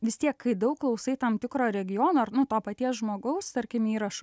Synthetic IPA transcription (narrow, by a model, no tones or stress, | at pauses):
ʋʲɪst̪ʲiɛkkɐɪd̪ɐʊkklˠɐʊsɐɪt̪ɐmt̪ʲɪkɾoːɾʲɛɡʲɪjoːnoːɐrnʊt̪oːpɐt̪ʲiɛsʒmoːɡɐʊst̪ɐɾʲkʲɪmiːɾɐʃʊ